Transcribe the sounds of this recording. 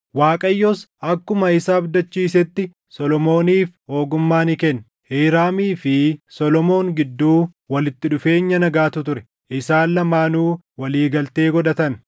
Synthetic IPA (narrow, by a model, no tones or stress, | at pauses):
waːkʼɐjːɔsʔɐkːʊmɐɪsaːbd̪ɐt͡ʃːiːs̬ɛt̪ːɪ | sɔlɔmo̞ːniːfho̞ːɡʊmːaːnɪkɛn | heːɾaːmiːfɪsɔlɔmo̞ːŋɡɪd̪ːuː | wɐlɪt̪ːɪᶑʊfe̞ːɲːɐnɐɡaːt̪ʊt̪ʊɾɛ̥ | ʔɪsaːnːɐmaːnuː | wɐliːɡɐlt̪e̞ːɡɔᶑɐt̪ɐn